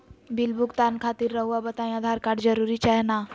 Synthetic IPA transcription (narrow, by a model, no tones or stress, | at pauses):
bilbuɡt̪ankʰat̪iːɾːəɦʋabət̪ãj̃əd̪ʱaɾkaɽd͡ʒəɾuɾit͡ʃaɦna